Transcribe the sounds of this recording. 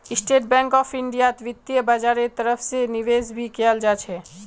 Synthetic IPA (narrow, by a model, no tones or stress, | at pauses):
ɪsʈeːʈ̚bɛ̃ːŋkɔːpʰɪ̃ɳɖijat̪ʋɪt̪ːijəbad͡ʒaːɾet̪əɾəfʰsenɪʋeːzbʱikeəld͡ʒaːt͡ʃʰɛː